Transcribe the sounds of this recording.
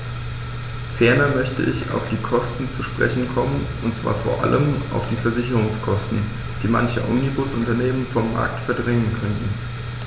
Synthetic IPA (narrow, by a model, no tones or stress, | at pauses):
fɛɐnɐmœçtə̰ʔɪça̰ʊfd̥iːkʰɔstn̩t͡suʃpʁ̥ɛ̰çn̩kʰɔmənʔʊntt͡sv̥a̰ːɐfoːɐʔa̰ləmʔa̰ʊfd̥iːfɛɐzɪçəʁʊŋskʰɔstn̩ | d̥iːma̰nçə̰ʔɔ̰mnibʊsʔʊntɐneːmənfɔmːa̰ɐk̚tfɛɐdʁɛŋənkʰœntn̩